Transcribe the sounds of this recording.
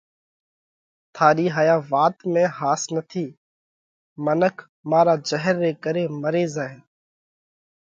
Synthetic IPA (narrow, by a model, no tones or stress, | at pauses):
t̪ʰaːɾiːɦaːjaːʋaːt̪mẽːhaːsnət̪ʰiː | mənəkʰ | maːɾaːd͡ʒəɦəɾːeːkəɾeːməɾeːzaːɦe